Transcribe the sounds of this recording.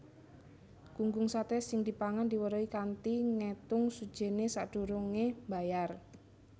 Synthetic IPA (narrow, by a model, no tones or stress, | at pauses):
ɡ̥uŋɡʊŋsat̪esɪŋd̪̥i̤paŋand̪i̤wəɾoikant̪iŋet̪ʊŋsud̥ʒ̥e̤nesaʔɖ̥ṳɾuŋemba̤jar